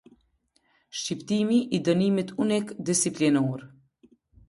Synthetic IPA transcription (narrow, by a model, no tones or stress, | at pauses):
ʃcipt̪imiʔid̪ɔnimit̪unikd̪isiplinɔɾ